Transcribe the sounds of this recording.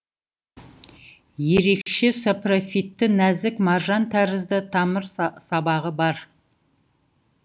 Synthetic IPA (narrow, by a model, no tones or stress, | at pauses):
je̞ɾe̞kʃe̞soprofit̪ːɪnæzɪkmɑɾʒɑnt̪ʰæɾɪzd̪ɪt̪ʰɑməɾsɑbɑʁəbɑɾ